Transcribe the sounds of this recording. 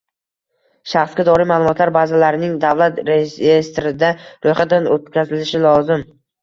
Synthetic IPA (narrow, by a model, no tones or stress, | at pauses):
ʃaχsɡʲad̪ɒɾɪjmaːlˠʊmɒt̪ʰlaɾbazalaɾɪnɪŋd̪avlat̪ɾejeest̪ɾɪd̪aɾojχat̪̚d̪anot̪kʲʰazɪlɪʃɪlˠɒzɪm